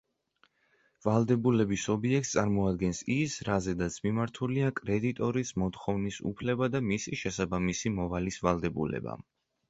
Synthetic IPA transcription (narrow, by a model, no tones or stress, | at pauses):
valˠd̪ɛbulɛbisɔbiɛk̚t̪ssʼaɾmɔad̪ɡɛnsisɾazɛd̪at̪sʰmimaɾt̪ʰuliakʼɾɛd̪it̪ʼɔɾismɔt̪χɔvnisṵpʰlɛbad̪amisiʃɛsabamisimɔvalisvalˠd̪ɛbṵlɛ̰ba̰